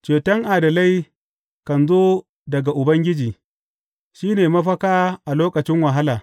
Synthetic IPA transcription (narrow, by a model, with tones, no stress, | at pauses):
t͡ʃeː˨tɐ˦ŋʔa˨dɐ˨la˦j | kɐ˨nzoː˦ | dɐ˨ɡa˨ʔʊ˨bɐ˦ŋɡʲɪ˦d͡ʒiː˨ | ʃiː˦neː˨mɐ˦ɸɐ˦kaː˦ʔa˨loː˦kɐ˨t͡ʃɪ˦ŋwɐ˨ɦa˦laː˨